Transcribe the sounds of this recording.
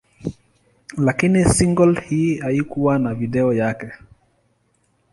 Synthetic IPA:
lakinisiŋɡɔlhiaikuwanaviɗɛɔjakɛ

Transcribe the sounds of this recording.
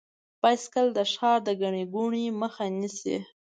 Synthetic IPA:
pajskəld̪əʃxɑɾd̪əɡaɳiɡuɳiməxanisḭ

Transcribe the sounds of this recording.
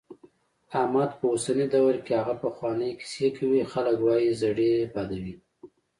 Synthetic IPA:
amɑd̪pəosanid̪awɾkeaɣapəxwɑnəjki̥sekʰawixaləkwɑjizaɽepɑd̪awi

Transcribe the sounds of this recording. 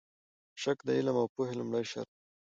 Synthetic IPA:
ʃakd̪ailamawpuɦelumɽajʃa̰ɾ

